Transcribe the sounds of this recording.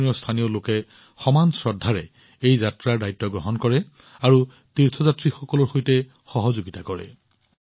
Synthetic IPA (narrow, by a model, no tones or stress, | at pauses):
niɔstʰaniolokɛ | xɔmansɹɔdʱːaɹɛ | ejzatɹaɹdajtːɔɡɹɔɦɔnkɔɹɛ | aɹu | tiɹtʰɔzatɹixɔkɔlɔɹxojtɛ | xɔɦɔzoɡitakɔɹɛ̰